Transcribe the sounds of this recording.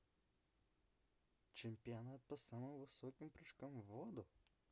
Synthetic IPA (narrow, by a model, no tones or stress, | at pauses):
t͡ʃʲɛmʲpʲɪjɔnat̪̚pɐsaːmɐmʋɨsoːkʲɪmpɾɐʃkɐmʋoːd̪ʊ